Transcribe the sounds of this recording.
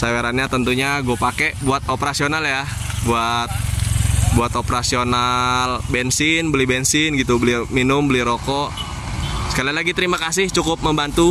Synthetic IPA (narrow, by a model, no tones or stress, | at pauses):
saweɾanɲat̪ənt̪uɲaɡuapakeʔbuat̪̚opəɾasionalja | buat̪̚ | buat̪opəɾasionalbɛnsɪnbəlɪhbɛnsɪnɡit̪ubəlɪminʊmbəlɪɾokɔ | sə̥kalilaɡit̪əɾimakasɪht͡ʃukʊp̚məmbant̪u